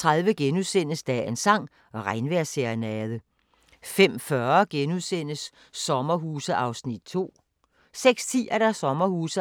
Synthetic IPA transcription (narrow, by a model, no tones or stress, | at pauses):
t͡sʰʁɑðˠʋəɡ̥enuðˠsen̰əsd̥ɛ̰ensɑ̈ŋ̰ | ɒ̽ʁɑ̈ɪnʋæɐ̰seɐnæðˠə | fem̰fɶɐɡ̥enuðˠsen̰əsː | ɒ̽mɐɦuːsəʔɑ̈ʊsnid̥̚t͡sʰo̝̰ː | seɡ̥st͡sʰḭːɐd̥æsɒ̽mɐhuːsə